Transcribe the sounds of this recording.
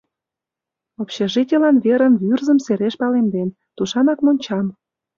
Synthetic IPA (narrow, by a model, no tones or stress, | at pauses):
opɕeʒitʲelɑnβeɾə̆nβyrzə̆mseɾeʃpɑlend̪en | t̪uʃɑnɑkmonʲt͡ɕɑm